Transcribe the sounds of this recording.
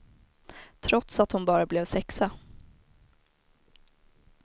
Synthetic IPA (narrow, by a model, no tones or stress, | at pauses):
t̪ʰɾɔt̪sat̪hʊnbɑːɾablɛːvsɛksa